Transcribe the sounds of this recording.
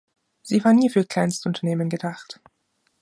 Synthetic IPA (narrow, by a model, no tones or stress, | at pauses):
z̥iːvaːɐniːfyːɐkl̥aɪnstəʊntʰɐneːmənɡədaχt